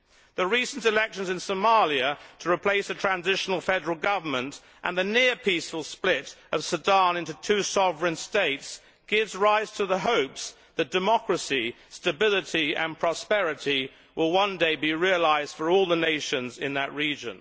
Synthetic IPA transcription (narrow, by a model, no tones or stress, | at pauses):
ðəɹisn̩tɨlɛkʃɨ̃n̩zɨ̃nsəʊmɑlˠjɨtʰəɹɨpʰl̥eɪsɨtʰɹ̥æ̃nzɪʃn̩l̩ˠfɛdə˞l̩ˠɡʌvə˞mə̃nt | ʔə̃nðɨnɪɹpʰisfəl̩ˠsplɪɾʔʌv̥sɨdɑ̃nɪ̃ntʉtʰʉsɑvɹɨ̃nsteɪts | ɡ̥ɪvzɹaɪz̥tʰəðəɦoʊps | ðɨt̚d̥ɨmɑkɹɨsi | stɨbɪlˠəɾiɨ̰̃npʰɹ̥ɑspɛɹɨɾi | wɪlˠwʌ̃ndeɪbiɹiəlaɪzd̥fə˞ɔlˠðəneɪʃɨ̃nzɪ̃nðɨʔɹid͡ʒɨ̰̃n